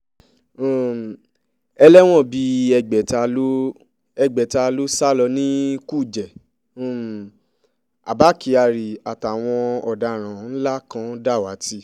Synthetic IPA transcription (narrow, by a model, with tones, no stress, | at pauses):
ɛ˧lɛ˦w̃ɔ̃˦˨bi˧ɛ˧ɡ͡bɛ˨ta˧lo˦ | ɛ˧ɡ͡bɛ˨ta˧lo˦sa˦˨lɔ˧nĩ˦ku˦˨d͡ʒɛ̃˨˦˨ | a̰˨ba˨˦ki˧˦a˧˨ɾi˨a˨ta˨w̃ɔ̃˧ɔ˨da˨ɾ̃ã˨n̩˦la˦kã˧da˦˨wa˨˦ti˦